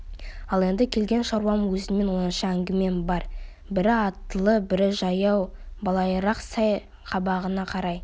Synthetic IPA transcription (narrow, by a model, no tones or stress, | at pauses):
ɑlˠe̞nd̪ɪkʲʰe̞lɡʲe̞nʃɑɾwɑmwɵzɪnme̞nwo̞nənʃəæŋɡʲɪme̞nbɑɾ | bɪɾɪɑt̪ːəlˠəbɪɾɪʒɑjɑwbɑlˠɑjəɾɑqsɑj | qʰɑbɑʁənɑqʰɑɾɑj